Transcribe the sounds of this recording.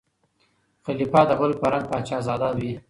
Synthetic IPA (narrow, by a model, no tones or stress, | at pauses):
xalipɑd̪əɣʊlpəɾaŋɡ̚pɑt͡ʃɑzɑd̪awi